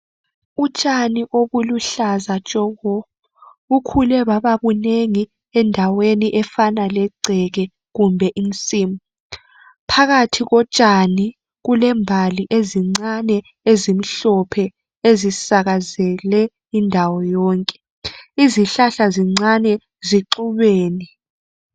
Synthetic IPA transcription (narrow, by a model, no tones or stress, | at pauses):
ut͡ʃʼaniʔoβuluɬazat͡ʃʼɔɣɔ | ukʰulɛβaβaβuneŋi | ɛndʱaweniʔɛfanalɛǀʱɛɣɛ | ɣumbʱɛʔint͡sʼiːmu | pʰaɣatʰiɣɔt͡ʃʼani | ɣulɛmbʱaliʔeziŋ͡ǀanɛ | ezim̩ɬɔpʰɛ | ezisaɣazɛlɛ | indʱawɔjɔːŋkʼɛ̥ | iziɬaɬaziŋ͡ǀanɛ | ziǃuβeːni